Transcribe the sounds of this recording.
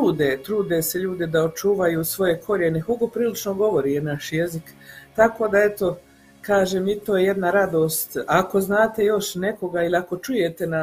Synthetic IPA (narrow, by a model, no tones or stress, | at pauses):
uːd̪et̪ɾuːd̪eːse̞ʎuːd̪ed̪aot͡ʃuːʋajuːsʋo̞je̞kʰo̞ɾje̞nekoɡopɾiːlit͡ʃno̞ɡo̞ʋo̞ɾijenaʃje̞zik | t̪ako̞ːd̪ae̞t̪o̞ | kaːʒeːmit̪o̞ːjeje̞d̪naɾad̪o̞ːst̪ako̞znaːt̪e̞jo̞ʃne̞ko̞ɡailiako̞t͡ʃuje̞t̪e̞na